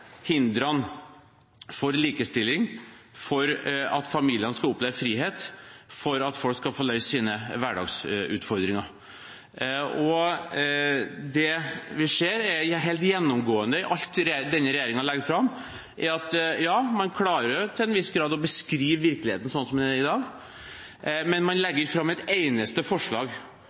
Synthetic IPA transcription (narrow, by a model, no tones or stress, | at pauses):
hɪnd̪ɾɑn | fɔɾliːkəst̪ɪlːɪŋfɔɾɑ̰t̪fɑmiːlɪənəskɑʊpleːʋəfɾiːɦeːt̪fɔɾɑt̪fɔlkskɑfoːlœʏsəsiːnəʋæɖɑ̰ːɡsʉ̰ːt̪fɔɾd̪ɾɪŋɑɾ | ɔ | d̪ɛʋɪʂeːɾɛɾæɦeːlt̪jɛnːɔmɡoːənd̪əɪʔɑlt̪ɾd̪ɛnːəɾɛjeːɾɪŋɑlɛɡd̪fɾɑmː | ʔɛɾɑt̪jɑːmɑnkʰlɑːɾəɾjʊt̪ʰɪlɛnʋɪsːɡɾɑːd̪ɔbəskɾiːʋʋɪɾklɪhḛːt̪ən̩sɔnːsɔmd̪ɛæɾɪd̪ɑːɡ | mɛnmɑnlɛɡːəɾfɾɑmːɛt̪eɪnəst̪əfɔʂɭɑ̰ːɡ